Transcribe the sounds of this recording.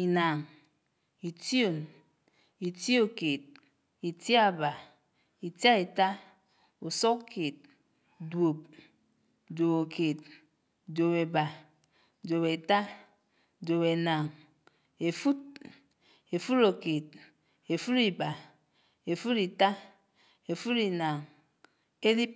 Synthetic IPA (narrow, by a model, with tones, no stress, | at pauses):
i˨na˨ŋ | i˨ti˦o˨n | i˨ti˦o˦ke˨t̚ | i˨ti˦a˦ba˨ | i˨tja˦e˨ta˦ | u˨sɔ˦kkʰe˨t̚ | dwo˨p̚ | do˨βo˨kʰe˨t̚ | do˨be˨ba˨ | do˨be˨ta˦ | do˨be˨na˨ŋ | e˨fu˦t̚ | e˨fu˦ɾo˨ke˨t̚ | e˨fu˦ɾi˨ba˨ | e˨fu˦ɾi˨ta˦ | e˨fu˦ɾi˨na˨ŋ | e˦li˦p̚